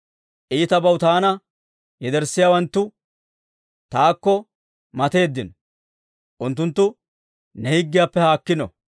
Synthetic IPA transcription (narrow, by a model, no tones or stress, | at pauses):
ʔiːt̪ɐbɐwt̪aːnɐ | jɛd̪ɛɾsːɪjaːwɐnt̪ːʊ | t̪aːkːɔ | mɐt̪e̞ːd̪ːɪnɔ | ʔʊnt̪ːʊnt̪ːʊ | nɛhɪɡːɪjapːɛhaːkːɪnɔ̰